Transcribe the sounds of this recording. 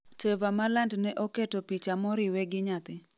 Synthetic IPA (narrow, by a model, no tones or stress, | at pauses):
tevamalandnɛʔɔketopit͡ʃamɔɾɪwɛɡɪɲat̪ɪ